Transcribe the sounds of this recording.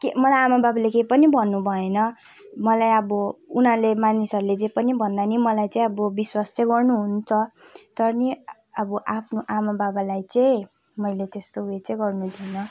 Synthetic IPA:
kemʌlajamababalekepʌnibʱʌnːubʱʌenʌ | mʌlajʌbʌunɦãlemanisʌɾulet͡sẽpʌnibʱʌnd̪animʌlajt͡saĩʌbʌbiswast͡sʌĩɡʌrnuɦunt͡sʰʌt̪ʌɾni | ʌbʌʔapʰnoʔamababalajt͡sʌĩ | mʌjlet̪est̪oɦuet͡sʌĩɡʌrnud̪ʱinʌ

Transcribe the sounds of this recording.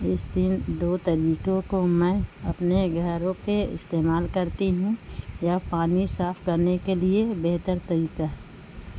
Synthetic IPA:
ɪsd̪ɪnd̪oːt̪ɐɾiːkõkomɛ̃ːɐpneɡʱɐɾõpeɪ̰st̪eːmaːlkɐɾt̪iɦũjapaːnisaːfkɐɾnekeliebeɦt̪əɾt̪ɐɾiːkaɦɛː

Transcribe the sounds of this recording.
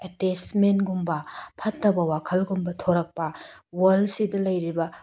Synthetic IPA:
etesmenɡumbɐpʰɐtːɐbɐwakʰɐlɡumbɐtʰoɾɐk̚pɐwɐlsidɐlɐjɾibɐ

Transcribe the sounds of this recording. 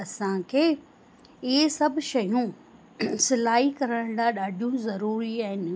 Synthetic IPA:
ɐsãkʰeː | ɪɦesɐbʱʃɐjũ | sɪlaːɦikɐɾəɽ̃d̪aːɗaːɖʱijũzɐɾuːɾiaːɦɪnɪ̆

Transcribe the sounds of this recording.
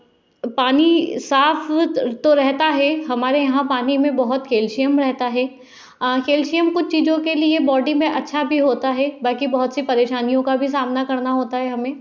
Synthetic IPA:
paːnisaːfʰt̪oɾɛɦt̪aɦɛɦɐmaːɾejɐɦãpaːnimẽbɐɦʊt̪kʰeːlʃijəmɾɛɦt̪aɦɛː | kʰeːlʃijəmkʊt͡ʃʰt͡ʃiːd͡ʒõkeliebɔːɖimẽʔɐtːʃʰabʱiɦoːt̪aɦɛbɐlkibɐɦʊt̪sipɐɾeːʃaːnijõkabʱis̬aːmnakɐɾnaɦoːt̪aɦɛɦɐmẽː

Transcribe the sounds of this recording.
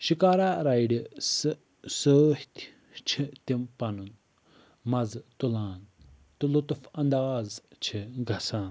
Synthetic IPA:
ʃikaːɾaːɾɐjɖis | səːht̪ | t͡ʃʰit̪impɐnun | mɐzt̪ulãːn | t̪ulut̪fɐnd̪aːzt͡ʃʰiɡʱɐsãːn

